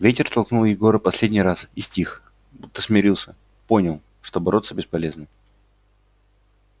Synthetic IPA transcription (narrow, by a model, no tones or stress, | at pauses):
vʲetʲɪrt̪ɐlˠknulˠjɪɡo̞ɾəpɐsʲlʲedʲnʲɪjɾasɪsʲtʲix | but̪ːəsmʲɪɾʲilˠsʲə | po̞nʲɪlˠ | ʂt̪o̞bɐɾo̞t̪səbʲɪspɐlʲe̞znɨm